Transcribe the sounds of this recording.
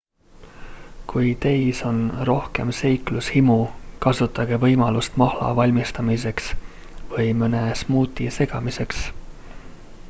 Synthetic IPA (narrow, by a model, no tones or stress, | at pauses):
kujt̪e̞jso̞nro̞hke̞̰mse̞jklushimukɑsut̪ːˑɑɡ̥e̞vɤ̞jmɑlust̪mɑhlɑ̰vɑlʲmist̪ɑmise̞ks | vɤjmɤnesmuːt̪ʲːˑise̞ɡ̥ɑmise̞ks